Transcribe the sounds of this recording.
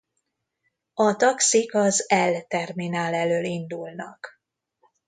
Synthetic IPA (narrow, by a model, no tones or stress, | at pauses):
ɒt̪ɒksikɒzɛlt̪ɛrminaːlɛløːlind̪ulnɒ̰k